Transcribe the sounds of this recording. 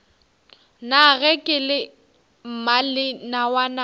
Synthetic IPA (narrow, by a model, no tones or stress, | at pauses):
naɣɛkʼɪlɪ | m̩malɪnawana